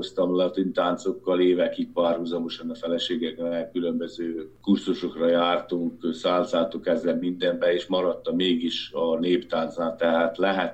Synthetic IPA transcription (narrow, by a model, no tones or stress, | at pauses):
ost̪ɒmlɛɒt̪ynt̪aːnt̪so̞kːɒleːvɛkikpaːrhuzɒmo̞ʃɒnɒfɛlɛʃeːɡɛknɛkkylømbøzøːkurzuʃokrɒjaːrt̪uŋksaːnt̪saːt̪okɛzːɛlmind̪ɛmbɛeːʃmɒɾɒt̪ːɒmeːɡiʃɒneːpt̪aːnt̪saːt̪ːɛɦaːt̪lɛɦɛt̪